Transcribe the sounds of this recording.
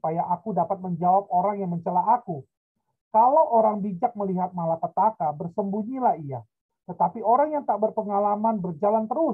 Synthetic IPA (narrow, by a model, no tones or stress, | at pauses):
pajaʔakudapat̪̚məɲd͡ʒawap̚oɾaŋjaŋməɲt͡ʃəlaʔaku | kalowʔoɾaŋbid͡ʒak̚məliɦat̪̚malapət̪akabərsəmbuɲilahia | t̪ət̪apioɾaŋjaŋt̪aʔbərpəŋalamanbərd͡ʒalant̪əɾʊ